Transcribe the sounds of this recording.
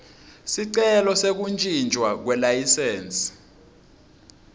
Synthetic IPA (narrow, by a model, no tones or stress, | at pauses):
siǀɛlɔsek̬unt͡ʃʼind͡ʒʱwak̬wɛlajisɛːnsʼ